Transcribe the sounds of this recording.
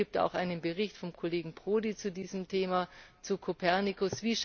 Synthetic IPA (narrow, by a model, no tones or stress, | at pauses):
iːp̚ta̰ʊxʔaɪnənbəʁɪçtfɔmkʰoleːɡŋ̩pʁ̥oːdit͡sudiːzəmtʰeːmat͡sukʰopʰɛɐnikʰʊsv̥iːʃ